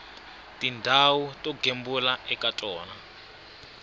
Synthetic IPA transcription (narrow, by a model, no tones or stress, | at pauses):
tʼindʱawutʼɔɡʱembulaɛkatʼɔːna